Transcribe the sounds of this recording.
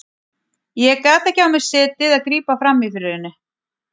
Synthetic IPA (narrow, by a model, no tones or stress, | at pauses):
jɛkaːt̪ɛhcːɪawmɪ̥sɪːt̪ɪðaðkɾiːpafɾamːiθʏɾʏðɪnːɪ